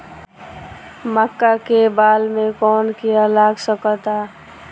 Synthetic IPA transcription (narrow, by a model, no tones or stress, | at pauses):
məkːakebaːlmẽkɔːnkijalaːɡsəkət̪aː